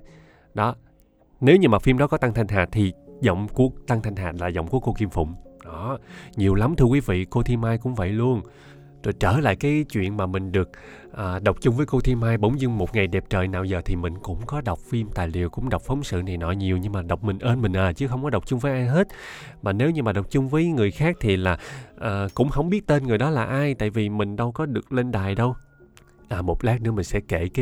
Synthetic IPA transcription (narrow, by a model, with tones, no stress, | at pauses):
ɗɔ˨˦ | ne˨˦wɲɨ˧ŋmaː˨˩fi˧mɗɔ˨˦˥kɔ˨˦t̪a˧ŋt̪ʰa˧jŋ̟ɦaː˨˩t̚t̪ʰi˨˩zɔ̰˧˨wŋ͡mku˦˥ək̚t̪a˧ŋt̪ʰŋ̟ɦaː˨˩t̚laː˨˩zɔ̰˧˨wŋ͡mku˧˩əko˧ki˧mfʊ̰˧˨ŋ͡mɗɔ˨˦ɲi˨˩əwla˨˦mt̪ʰɨ˧əkwi˨˦vḭ˧˨ko˧t̪ʰi˧mːaː˧jkʊ̰˧˥ŋ͡mvə̰˧˨jlu˧ən | zo˨˩jt͡ɕəː˧˩la̰ː˧˨jkaː˨˦jt͡ɕwḭ˧˨ənmaː˨˩mï˨˩ŋ̟ɗɨ˨˩ək̚ | ʔaː˨˩ɗə˨˩wk͡p̚t͡ɕʊ˧ŋ͡mvəː˨˦jko˧t̪ʰi˧mhaː˧jɓə̰˧˦wŋ͡mzɨ˧ŋmo˨˩t̚ŋa˨˩jɗɛ˨˩p̚t͡ɕəː˨˩jnaː˧˨˩wzəː˨˩t̪ʰi˨˩mï˨˩ŋ̟kʊ̰˧˥ŋ͡mkɔ˨˦ɗə˨˩wk͡p̚fi˧mt̪a̰ː˨˩jli˨˩əwkʊ̰˧˥ŋ͡mɗə˨˩wk͡p̚fə˨˦wŋ͡msɨ̰˧˨na˨˩jnɔ˧˨˩jɲi˨˩əwɲɨ˧ŋmaː˨˩ɗə˨˩wk͡p̚mï˨˩ŋ̟ʔəː˧nmï˨˩ŋ̟ʔaː˨˩t͡ɕɨ˨˦xə˧wŋ͡mkɔ˨˦ɗə˨˩wk͡p̚t͡ɕʊ˧ŋ͡mvəː˨˦jʔaː˧jɦe˦˥t̚ | maː˨˩ne˨˦wɲɨ˧maː˨˩ɗə˨˩wk͡p̚t͡ɕʊ˧ŋ͡mvəː˨˦jŋɨ˨˩əjxaː˦˥k̚t̪ʰi˨˩laː˨˩ʔaː˨˩kʊ̰˧˥ŋ͡mhə˧wŋ͡mɓi˦˥ət̚t̪e˧nŋɨ˨˩əjɗɔ˨˦laː˨˩ʔaː˧jt̪a̰ː˧˨jvi˨˩mï˨˩ŋ̟ɗə˧wkɔ˨˦ɗɨ˨˩ək̚le˧nɗaː˨˩jɗə˧w | ʔaː˨˩mo˨˩t̚laː˦˥k̚nɨ̰˧˥əmï˨˩ŋ̟sɛ̰˧˥ke˧˩˨k